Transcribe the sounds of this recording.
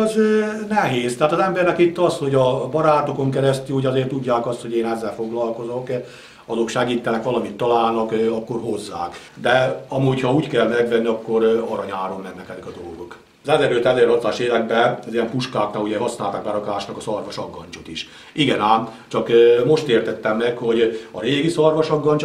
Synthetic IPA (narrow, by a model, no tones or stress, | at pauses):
znɛɦeːst̪ɛɦaːt̪ɒzɛmbɛrnɛkit̪ːɒsho̞ɟɒbɒɾaːt̪oko̞ŋkɛɾɛst̪yhoɟɒzeːrt̪uɟːaːkɒst̪hoɟeːnɛzːɛlfo̞ɡlɒlko̞zok | ɒzokʃɛɡiːt̪ːɛnɛkʋɒlɒmit̪ːɒlaːlnɒkɒkːo̞rɦo̞zːa̰ːk | d̪ɛɒmuːchɒuːckɛlmɛɡʋɛnːiɒkːo̞ɾɒɾɒɲaːɾo̞mnɛnnɛkɛt̪ikɒd̪o̞lɡo̞k | zɛzɛɾøt̪ɛzeːɾrhɒt̪zaːʃeːlɛɡ̚bɛɒzijɛmpuʃkaːknaːluɟɛɦɒsnaːlt̪aːɡ̚bɛɾɒkaːʃnɒkɒsɒrʋɒʃɒɡːɒɲt͡ʃot̪iʃ | iɡɛnaːmt͡ʃɒkmo̞ʃt̪eːrt̪ɛt̪ːɛmːɛkho̞ɟɒɾeːɡisɒrʋɒʃɒɡːɒɲt͡ʃ